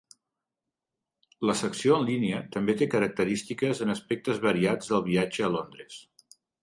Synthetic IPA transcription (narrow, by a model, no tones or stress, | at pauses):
ləsəksioənlineət̪əmbet̪ekəɾək̚t̪əɾist̪ikəzənəspɛk̚t̪əzβəɾiad͡zðəlˠβ̞iad͡ʒəːlond̪ɾəs